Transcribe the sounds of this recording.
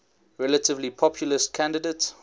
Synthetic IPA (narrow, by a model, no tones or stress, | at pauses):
ɹɛlətɪvlipʰɔpʰjuləskʰæ̃ndədeɪts